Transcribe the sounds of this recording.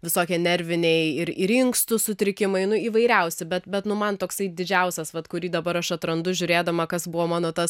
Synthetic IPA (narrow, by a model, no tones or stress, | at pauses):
ʋʲɪsoːkʲiːnʲɛɾʲʋʲɪnʲɛɪɪɾɪɾɪŋkst̪ʊsʊt̪ʲɾʲɪkʲɪmɐɪnʊiːʋɐɪɾʲɛʊsʲɪbʲɛt̪bʲɛt̪nʊmɐnt̪oːksɐɪd̪ʲɪd͡ʒʲɛʊsʲɛsʋɐt̪kʊɾʲiːd̪ɐbɐɾɐʃɐt̪ɾɐnd̪ʊʒʲʊɾʲeːd̪ɐmɐkɐsbʊʋoːmɑːnoːt̪ɐs